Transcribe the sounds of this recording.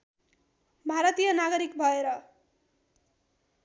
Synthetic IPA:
bʱaɾʌt̪ijʌnaɡʌɾikbʱʌeɾʌ

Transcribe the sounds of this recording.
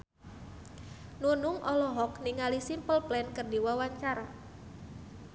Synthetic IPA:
nunuŋʔɔlɔɦɔkniŋalisimpəlplɛnkərdiwawaɲt͡ʃaɾa

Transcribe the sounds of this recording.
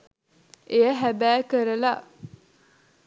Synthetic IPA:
eəɦæbæːkəɾəla

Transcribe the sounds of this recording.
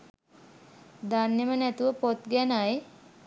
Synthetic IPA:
d̪anːemənæt̪uʋəpot̪ɡænaj

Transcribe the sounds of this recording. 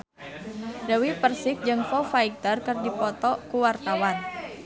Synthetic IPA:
dawipərsɪk̚d͡ʒɨŋfɔfaik̚t̪ərkɨrdipɔt̪ɔkuwart̪awan

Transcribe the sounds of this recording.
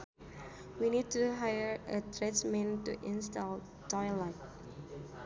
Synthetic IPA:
winid̚tuɦajəɹətʰɹɛtsmɛ̃ntṵʔĩnstal | tɔjlat̚

